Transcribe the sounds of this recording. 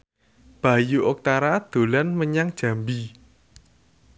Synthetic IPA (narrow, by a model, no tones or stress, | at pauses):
b̥a̤juʔɔk̚t̪aɾad̪̥o̤lanməɲaŋd̥ʒ̥ä̤mbi